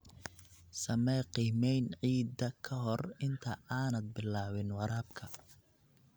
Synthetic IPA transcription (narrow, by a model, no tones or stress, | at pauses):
sɐmɛqiːmɛjnʕiːd̪ɐkʰɐɦɔrɪnt̪ʰɐaːnɐd̪̚bɪlaːβɪnwɑɾaːbkʰɐ